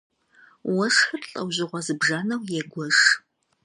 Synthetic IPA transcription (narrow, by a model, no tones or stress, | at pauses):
wɐʂxɨrɬʼɐ̰wʑɪʁʷɐzɨbʒanɐwjɛɡʷɔʂ